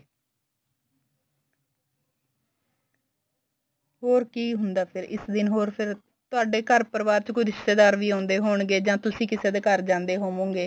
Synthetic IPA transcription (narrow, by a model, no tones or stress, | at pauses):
ɦoːɾkiːɦʊnd̪aːpʰɪɾɪ̰sd̪ɪnɦoːɾpʰɪɾ | t̪ʊaːɖeːkəɾpəɾʋaːɾt͡ʃkʊɾɪst̪eːd̪aːɾʋiːɦãːnd̪eːɦoːɳɡeːd͡ʒãːt̪ʊsĩːkɪseːd̪eːkəɾd͡ʒãːnd̪eːɦoːmõːŋɡeː